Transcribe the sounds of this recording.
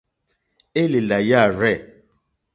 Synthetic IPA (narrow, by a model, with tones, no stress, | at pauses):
e˦le˨la˨ja˦˨ɾɛ˦˨